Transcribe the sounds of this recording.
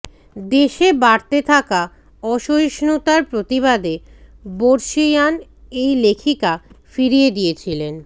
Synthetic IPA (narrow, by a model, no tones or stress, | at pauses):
d̪eʃebaɽt̪et̪ʰaka | ɔʃojʃnut̪aɾpɾot̪iβad̪e | boɾʃijan | ejlekʰikafiɾijed̪ijet͡ɕʰilen